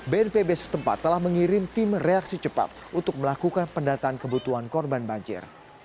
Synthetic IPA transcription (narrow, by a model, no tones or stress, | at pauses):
beɛrpebesə̥t̪əmpa̰t̪ːəlahməŋiɾɪmt̪ɪmreak̚sit͡ʃəpa̰p̚ʔunt̪ʊk̚məlakukanpəndat̪aːnkəbut̪uɦankɔrbanbaɲd͡ʒɪ̰r